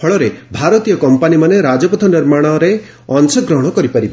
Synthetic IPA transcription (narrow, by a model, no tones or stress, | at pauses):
pʰɔɭɔɾebʱaɾɔt̪ijɔkɔmpanimaneɾad͡ʒɔpɔt̪ʰɔniɾmaɽ̃ɔɾe | ɔnsɔɡɾɔɦɔɽ̃ɔkɔɾipaɾiba